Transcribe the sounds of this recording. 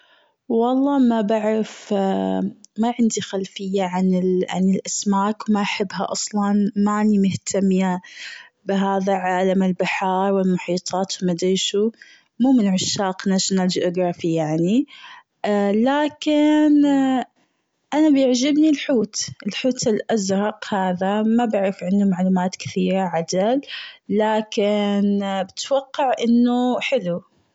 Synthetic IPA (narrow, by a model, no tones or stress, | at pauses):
wɑlˤːɑːmabaʕɾaf | maʕɪnd̪ixalfɪjːaʕanɪlʕa̰nɪlʔasmaːkwmaʔħɪbːɦa̰ʔɑsˤlɑnmaʔnimʊht̪ʰamːja | bɪɦaːðaʕaːlamɪlbɪħɑːɾˤwɪlmʊħiːt̪ˤʰɑːt̪wmad̪iːʃu | muːmɪnʕʊʃːaːqnaʃnald͡ʒʔʊɡɾˤɑfijaʕni | laːkɪn | ʔanabjɪʕd͡ʒɪbnilħuːt̪ɪlħuːt̪ɪlʔazɾˤɑqhaːðamabaʕɾɪfʕɪndumaʕluːmaːt̪kɪ̥θiːɾaʕad̪alːaːkɪnbɪt̪wɑqːɑʕʔɪnːuħɪlu